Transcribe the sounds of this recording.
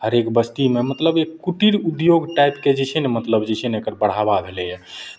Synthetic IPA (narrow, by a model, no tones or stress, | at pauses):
ɦəɾekbəst̪imemət̪ləbekkuʈiɾud̪joɡʈajpked͡ʒɛt͡ʃʰɛnemət̪ləbd͡ʒɛt͡ʃʰɛnekəɾbəɽ̤ababʱelɛjɛ